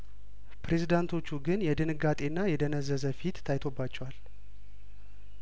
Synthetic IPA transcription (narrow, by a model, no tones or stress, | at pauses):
pʰɾe̞zid̪ant̪ʰo̞t͡ʃːuɡɨnjɛd̪ɨnɨɡat̪ʼe̞nːajɛd̪ənəzːəzəfit̪ːʰajt̪ʰo̞bːat͡ʃːɛwal